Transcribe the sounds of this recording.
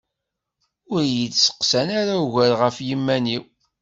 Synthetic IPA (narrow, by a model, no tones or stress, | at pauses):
ʊɾjət͡ssə̥qsænaɾauʝæɾʁəfjimːæniw